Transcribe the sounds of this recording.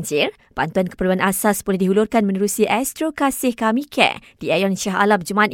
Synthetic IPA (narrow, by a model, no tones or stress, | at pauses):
d͡ʒɪr | b̥ant̪uankə̥pəluanʔasaspulahdiɦulurkanmə̃nəɾusiʔɛst̪ɾokasɪhkamĩkʰɛ̰d̥iɛjɔnʃaɦa̰lam̚d͡ʒumaʔat̪